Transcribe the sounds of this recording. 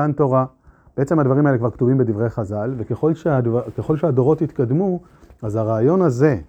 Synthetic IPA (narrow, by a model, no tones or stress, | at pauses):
anto̞ʁa | b̥ee̞t͡se̞mhad̪vaʁimaelekvaʁkt̪uvimbed̪ivʁe̞jaχazalvekeχo̞lʃeadvakeχo̞lʃehado̞ʁo̞t̪hit̪kadmu | azhaʁaːjo̞naze̞